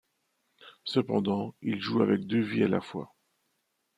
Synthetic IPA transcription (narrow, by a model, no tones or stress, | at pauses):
səpɑ̰̃d̪ɑ̃ilʒuavɛk̚d̪øviala̰fwa̰